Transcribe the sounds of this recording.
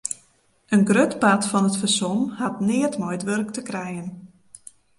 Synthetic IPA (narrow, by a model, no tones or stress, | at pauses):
ʔənɡrøtpatfɔnətfərsɔmhatnɪːətmɔjtʋørktəkrɛjən